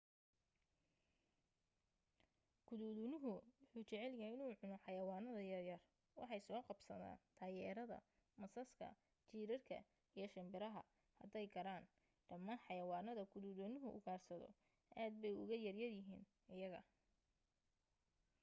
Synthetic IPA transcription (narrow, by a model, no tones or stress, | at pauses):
ɡʰʊðuːðunʊɦʊwʊħuːt͡ʃɛʕɛljɐɦɛjɪnuːʕʊnɔħɑjɐwaːnɐðɐjɐrjɐr | wɑ̰ħɑjsɔːqɑbsɐða̰ːnt̪ʰaːjɛːɾɐðɐ̰ | mɐsɐskʰɐ̰ | t͡ʃiːɾɐrkʰɐ̰ | ijɞʃɪmbɪɾɐɦɐ̰ | hɐ̰d̪ɛjɡɐɾaːn | ɖ̥ɐmːaːnħɑjɐwɑːnɐðɐɡʰʊðuːðunɪɦʊʔʊɡaːrsɐðɔ̰ | ʔaːd̪̚bɛjʊɣɐjɐrjɐrjɪɦḭːn | ɪjɐɣɐ̰